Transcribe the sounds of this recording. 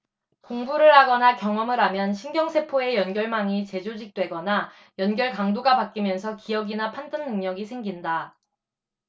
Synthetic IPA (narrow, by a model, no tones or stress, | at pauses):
koŋbuɾɯɭɦaɡʌnakjʌŋʌmɯɾɦamjʌnɕʰinɡjʌŋsʰe̞pʰoe̞jʌnɡjʌɭmaŋit͡ɕe̞d͡ʑod͡ʑik̚t͈we̞ɡʌna | jʌnɡjʌɭkaŋdoɡapak͈imjʌnsʰʌkijʌɡinapʰandɯnːɯŋɲʌɡisʰe̞ŋɡinda